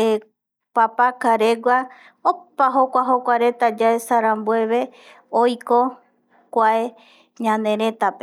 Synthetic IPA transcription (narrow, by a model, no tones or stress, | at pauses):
e | papakaɾeɡʷa | opaɦokʷaɦo̞kʷaɾe̞t̪ad͡ʒaesaɾãmbue̞βe̞ | ojko | kʷae | ɲãnẽ̞ɾe̞t̪ape